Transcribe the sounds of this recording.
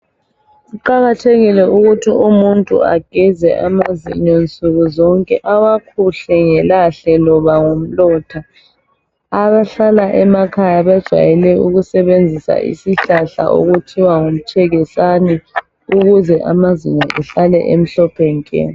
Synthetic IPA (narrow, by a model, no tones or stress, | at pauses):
suǃaɣatʰeɣilɛuɣutʰiumuntʼṵa̰ɡ̥ʱizɛ̰ʔamazḭɲont͡sʼuɣuzɔŋkʼɛʔawakʰuɬɛŋɛlaɬɛlɔβaŋom̩lɔtʰa | aβaɬalaʔɛmakʰajaβad̥ʒ̥ʱwa̰jɛlɛuɣusɛβend͡zʱisa̰ʔḭsiɬaɬa̰ʔo̰ɣutʰiwaŋom̩t͡ʃʰɛɣɛsanɛ | uɣuzɛʔamaziɲɔʔɛɬalɛ̰ʔem̩ɬɔpʰɛŋkʼɛ̰ːni